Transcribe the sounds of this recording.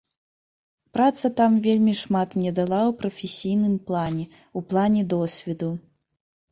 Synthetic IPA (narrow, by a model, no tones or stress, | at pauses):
pɾat̪sɐt̪amvʲelʲmʲiʂmat̪mnʲɛd̪alˠawpɾɐfʲesʲijnɨmplˠanʲɛ | uplˠanʲɛd̪ɔsʲvʲɛd̪u